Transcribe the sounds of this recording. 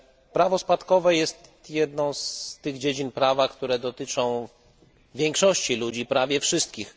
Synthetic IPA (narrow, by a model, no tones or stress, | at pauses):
pɾavɔspat̪kɔvɛjɛst̪jɛd̪nɔ̃w̃st̪ɘɣd͡ʑed͡ʑinpɾavakt̪uɾɛd̪ɔt̪ɘt͡ʂɔ̃w̃ | vʲjɛŋkʂɔɕt͡ɕilud͡ʑipɾavʲjɛfʂɘst̪̚kʲix